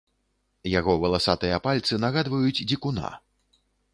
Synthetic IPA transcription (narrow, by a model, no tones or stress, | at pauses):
jaɣɔvɐlˠasat̪ɨjɐpalʲt̪sɨnaɣad̪vɐjud͡zʲd͡zʲikuna̰